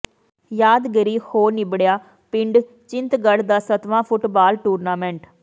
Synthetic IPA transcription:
jaːd̪ɡəɾiːhoːnɪbɽjaː | pɪɳɖ | t͡ʃɪ̃nt̪ɡəɽd̪aːsət̪ʋãːpʰʊʈbaːlʈuːɾnaːmɛ̃ːɳʈ

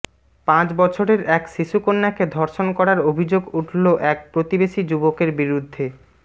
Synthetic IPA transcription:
pãt͡ɕbɔt͡ɕʰoɾeɾɛkʃiʃukonːaked̪ʱɔɾʃonkɔɾaɾobʱid͡ʑoɡuʈʰloʔɛk̚pɾot̪ibeʃid͡ʑubokeɾbiɾud̪ʱːe

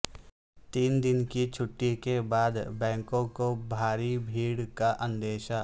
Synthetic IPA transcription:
t̪iːnd̪ɪnkit͡ʃʰʊʈːikebaːd̪bɛ̃ːŋkõkobʱaːɾibʱiːɽkaʔə̃nd̪eːʃa

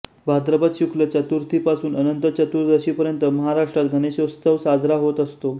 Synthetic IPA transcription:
bʱad̪ɾəbat̪ɕukʰlət͡ɕat̪uɾt̪ʰipasuːnənənt̪ət͡ɕət̪uɾd̪əɕiːpəɾjənt̪əməɦaɾaʂʈɾat̪ɡʱəneɕost̪əʋsad͡zɾaɦot̪əst̪o

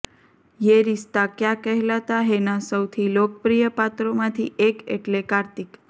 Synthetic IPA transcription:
jeɾist̪akjãkəɦɛlat̪aɦenasəwt̪ʰilok̚pɾijəpat̪ɾomãt̪ʰḭʔekḛʈlekaɾt̪ik

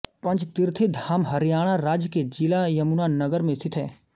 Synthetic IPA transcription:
pɐ̃nt͡ʃt̪ɪɾt̪ʰid̪ʱaːmɦɐɾjaːɽ̃aɾaːd͡ʒked͡ʒɪlajɐmunanɐɡəɾmẽst̪ʰɪt̪ʰɦɛː

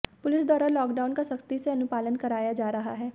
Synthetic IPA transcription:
pʊlɪsd̪ɔːɾalɔːkɖaːʊnkasɐkt̪iseɐnʊpaːlənkɐɾaːjad͡ʒaːɾɐɦa̰ɦɛː

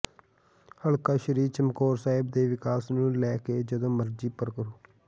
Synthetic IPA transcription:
həɭkaːʃəɾiːt͡ʃəmkoːɾsaːɦɪb̚d̪eːʋɪkaːsnũːlɛːkeːd͡ʒəd̪õːməɾd͡ʒiːpəɾkəɾoː

